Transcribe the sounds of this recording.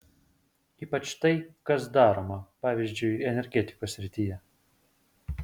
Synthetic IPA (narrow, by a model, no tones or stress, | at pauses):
iːpɐt͡ʃt̪ɐɪkɐsd̪ɑːɾoːmɐpɑːʋʲizʲd͡ʒʲʊɪɛnʲɛɾʲɡʲɛt̪ʲɪ̥koːsʲɾʲɪt̪ʲiːjɛ